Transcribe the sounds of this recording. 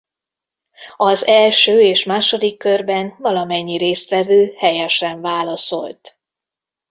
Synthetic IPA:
ɒzɛlʃøːeːʃmaːʃo̞d̪ikːørbɛnvɒlɒmɛɲːiɾeːst̪ʋɛvøːhɛjɛʃɛɱvaːlɒso̞̰lt̪

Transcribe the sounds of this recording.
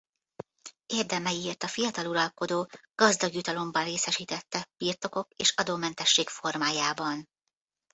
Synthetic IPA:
eːrd̪ɛmɛjieːrt̪ɒfijɒt̪ɒluɾɒlko̞d̪oːɡ̥ɒzd̪ɒɡjut̪ɒlo̞mbɒnreːsɛʃiːt̪ɛt̪ːɛb̥iːrt̪o̞ko̞keːʃɒd̪oːmɛnt̪ɛʃːeːkfo̞rmaːjaːbɒn

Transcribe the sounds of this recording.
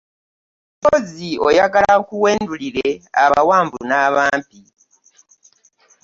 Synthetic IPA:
boziojaɡalakuweːnduliɾea̰βawaːmbṵnaːβaːmpi

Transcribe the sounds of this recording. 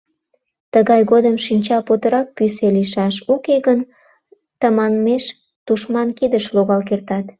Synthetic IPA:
t̪əɣɑjɣod̪əmʃinʲt͡ɕɑpot̪əɾɑk̚pyseliʃɑʃukeɣən | t̪əmɑnmeʃ | d̪̥uʃmɑnkid̪əʃloɣɑlkert̪ɑt̪

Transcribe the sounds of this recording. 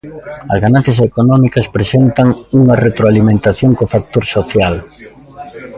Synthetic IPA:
ɐzɣanan̟θjɐsekonɔmikɐspɾesent̪ɐŋuŋɐret̪ɾoalimẽnt̪aθjoŋkofak̚t̪oɾsoθjal

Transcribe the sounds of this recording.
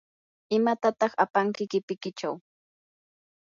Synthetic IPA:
ɪmat̪at̪ɑχapaŋkɪkɪpɪkɪt͡ʃaw

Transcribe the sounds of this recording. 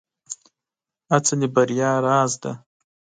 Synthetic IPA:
at͡sanibaɾjɑːɾɑːzd̪a̰

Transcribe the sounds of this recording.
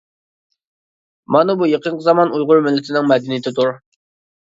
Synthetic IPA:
mɑnɨbujeqʰəɴqʰəzɑmɑnujʁʊɾmɪlːɪt̪ʰɪnɪŋmɛd̪ɪnijt̪ʰɪt̪ʰuɾ

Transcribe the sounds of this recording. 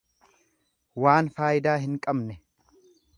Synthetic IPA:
waːnfaːjɪd̪aːɦɪŋkʼɐbnɛ

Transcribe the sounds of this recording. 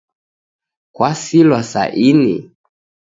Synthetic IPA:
kwasilwasa̰ʔinḭ

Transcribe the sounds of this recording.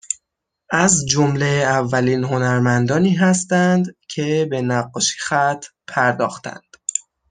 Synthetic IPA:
ʔæzd͡ʒomleævːæliːnɦo̞næɾmænd̪ɒːniːɦæst̪ænd̪cʰe̞be̞næɢːɒːʃi̥xæt̪ʰpʰæɾd̪ɒ̰ːxt̪ʰæ̰nd̪̥

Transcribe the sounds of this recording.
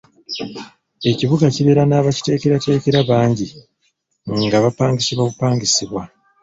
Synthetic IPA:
e̞ciβuɡaciβe̞ɾanaːβaci̥te̞ːkeɾate̞ːke̞ɾaβaːɲɟi | ŋŋɡaβapaːŋɟisiβaβupaːŋɟisiβwa

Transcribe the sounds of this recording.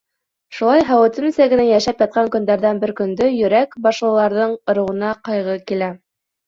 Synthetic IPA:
ʃulˠɑjɦɑwɘ̆t̪ɘmɘ̆sæɡɘ̆næjæʃæpjɑt̪̚qɑŋkɵ̆nd̪æɾðænbɘɾkɵ̆nd̪ɵjɵ̆ɾækbɑʃlˠɤ̆lˠɑɾðɤɴŏɾɤ̆wɤ̆nɑqɑjʁɤkilæ

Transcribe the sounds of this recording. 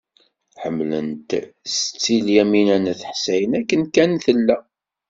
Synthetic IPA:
ħəmːlə̰nt̪st͡sːiljæminænæθəħsæjənækːənkænθəlːæ

